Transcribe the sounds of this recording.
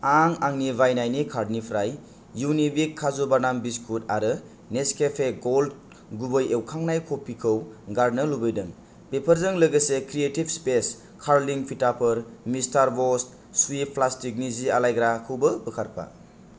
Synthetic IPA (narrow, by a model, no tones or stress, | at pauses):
aŋaŋnibajnajnikʰaɾdnipʰɾajː | uwnibikʰːazobaɾnambiskʰutaɾɯ | neskʰepʰeɡold | ɡubɯjewkʰaŋnajkʰopʰikʰɯwɡaɾnɯlubɯjdɯŋ | pepʰəɾzɯŋlɯɡɯsekɾietibspes | kʰaɾliŋpʰitapʰɯɾmistaɾbɔst | suwip̚pʰlastik̚nizialajɡɾakʰɯwbɯbɯkʰaɾpʰa̰